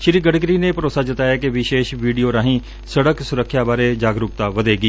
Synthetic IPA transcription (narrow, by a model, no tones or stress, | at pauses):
ʃɪɾiːɡəɽɡɾiːnepəɾoːsaːd̪ɪt̪aːɛːkeʋɪʃeːʃʋiːɖioːɾãːɦĩː | səɽəksʊɾəkʰːjaːbaːɾeːd͡ʒaːɡɾʊk̚t̪aːʋəd̪eːɡiː